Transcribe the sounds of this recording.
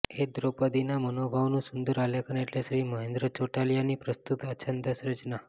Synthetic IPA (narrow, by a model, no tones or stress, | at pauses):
ed̪ɾopəd̪inamənobʱaʋnũsund̪əɾalekəneʈleʃɾiːməɦend̪ɾət͡ʃoʈalijanipɾəst̪ut̪ət͡ʃʰənd̪əsɾət͡ʃna